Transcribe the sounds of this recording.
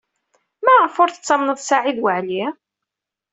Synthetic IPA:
mæʁfʊɾθət͡sːɑmnəðˤsaʕiðwəʕli

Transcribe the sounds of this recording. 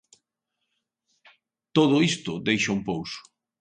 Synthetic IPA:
t̪oð̞ʊist̪ʊd̪ejʃaumpowsʊ̥

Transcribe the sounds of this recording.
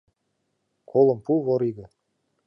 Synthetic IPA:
kʰolˠɤ̆mpuβŏɾiɣɘ̆

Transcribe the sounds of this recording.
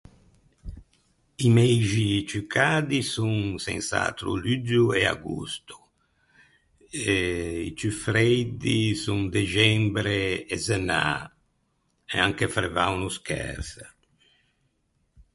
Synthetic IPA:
imɛjʒit͡ʃykʰad̪isuŋsɛ̰̃nsa̰t̪ɾṵlyd͡ʒuea̰ɡṵst̪u̥ | eit͡ʃyfɾɛjd̪isuŋd̪eʒɛmbɾeezena̰ | ḛaŋkefɾevawnuskɛ̰ɾs

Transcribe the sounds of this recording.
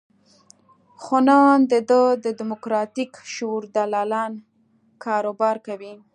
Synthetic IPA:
xʊnɑnd̪əd̪əd̪əd̪ɪmʊkɾɑt̪ikʃuɾd̪alɑlɑn | kʰɑɾobɑɾkawi

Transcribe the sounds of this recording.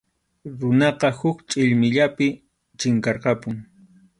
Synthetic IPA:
ɾʊnɑqɑhʊkt͡ʃʼɪʎmɪʎapɪ | t͡ʃɪŋkɑɾqɑpʊŋ

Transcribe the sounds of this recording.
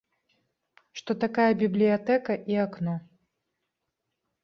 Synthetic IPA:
ʂt̪ɔt̪akajɐbʲiblʲijat̪ɛkɐʔiaknɔ

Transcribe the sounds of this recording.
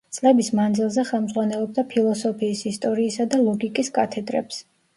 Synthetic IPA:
t̪sʼlɛbismand̪zilˠzɛχɛlˠmd̪zʁwanɛlˠɔb̚d̪apʰilˠɔsɔpʰiːsist̪ʼɔɾiːsad̪alˠɔɡikʼiskʼat̪ʰɛd̪ɾɛ̰ps

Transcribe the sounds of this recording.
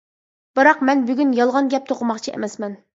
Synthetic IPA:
b̥ɨɾɑqmɛnbyɡʲynjɑlˠʁɑnɡʲɛp̚t̪ʰoqʰʊmɑqt͡ʃʰiʔḛmɛsmɛn

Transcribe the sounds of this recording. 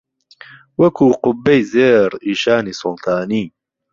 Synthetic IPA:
wɐkʰuːqʊbːejzeːɾiːʃaːniːsʊlt̪ʰaːniː

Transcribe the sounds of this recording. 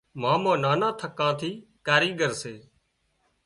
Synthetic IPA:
mãːmãːnaːnãːt̪ʰəkːãːt̪ʰiːkaːɾiːɡəɾseː

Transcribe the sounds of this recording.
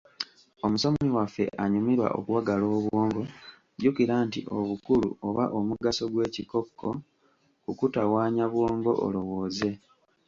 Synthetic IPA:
o̞muso̞miwafːe̞̰ʔaɲumiɾwa̰ʔo̰kuwaɡalo̞ːβwoːŋɡo̞ | ɟukiɾantḭʔo̞̰βukuluoβaʔomuɡaso̞ɡwe̞ːciko̞kːo̞ | kukutawaːɲaβwo̞ːŋɡo̞̰ʔo̰lo̞wo̞ːze̞

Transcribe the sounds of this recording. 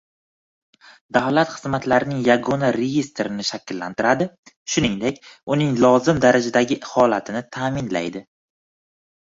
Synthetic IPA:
d̪avlat̪χɨzmat̪laɾɪnɪŋjaɡɒnaɾejest̪ɾɪnɪʃakʲlːa̰nt̪ɪɾad̪ɪ | ʃʊnɪŋd̪e̞kʲʊnɪŋlˠɒzɪmd̪aɾad͡ʒad̪aɡʲɪhɒlat̪ʰɪnɪt̪ʰaːmɪnla̰jd̪ɪ

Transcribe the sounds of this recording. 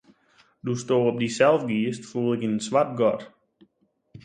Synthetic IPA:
dustoːɔp̚disɛlˠfɡiəstfuːlˠɪkinnsʋat̚ɡɔt

